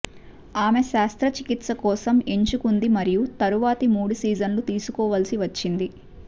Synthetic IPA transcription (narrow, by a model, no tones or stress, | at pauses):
aːme̞ʃaːst̪ɾɐt͡ʃikit̪sɐkɔːsɐmeɲt͡ʃukund̪imɐɾijut̪ɐɾuʋaːt̪imuːɽusiːd͡ʒɐnlut̪iːsukɔːʋɐlsiʋɐt͡ʃːind̪i